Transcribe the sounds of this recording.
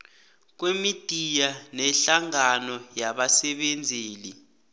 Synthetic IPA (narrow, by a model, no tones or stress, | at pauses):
k̬wemitʼijanɛɬaŋanɔjaɓasɛɓend͡zʱeːli